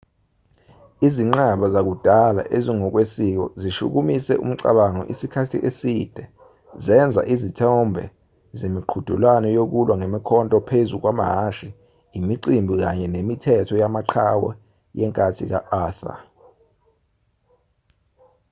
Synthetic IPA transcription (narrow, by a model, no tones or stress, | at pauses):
iziŋ͡ǃaɓazak̬ud̥ʱala̰ʔeziŋɔk̬wesik̬ɔziʃṵk̬umisɛʔṵm̩ǀa̰ɓaŋɔ̰ʔisikʰatʰiʔesid̥ʱɛ | zɛnd͡zʱa̰ʔizitʰɛmbʱɛ̰ | zemiǃʰud̥ʱṵlwanɔjok̬ulwaŋemikʰɔntʼɔpʰezuk̬wama̰ɦaʃi | imiǀimbʱik̬aɲɛnemitʰɛtʰɔjamaǃʰawɛ̰ | jɛŋkʼatʰḭk̬a̰ʔaːθa̰